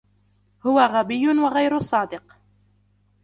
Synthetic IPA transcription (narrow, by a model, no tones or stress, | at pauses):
hʊwaɣabɪjːʊnwaɣajɾʊsˤɑːd̪ɪq